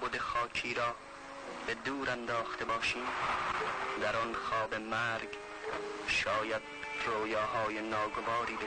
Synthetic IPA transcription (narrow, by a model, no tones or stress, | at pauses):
bod̪exɒːkʰiːɾɒː | bed̪uːɾænd̪ɒːxt̪ʰebɒːʃiːm | d̪æɾɒnxɒːbemæːɾɡ | ʃɒːjæd̪̚ | roːjɑːɦɒːjenɒːɡovɒːɾiːbe